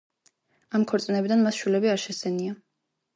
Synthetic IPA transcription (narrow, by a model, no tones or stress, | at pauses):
amkʰɔɾt̪sʼnɛbid̪anmasʃwilɛbiaɾʃɛsɛnia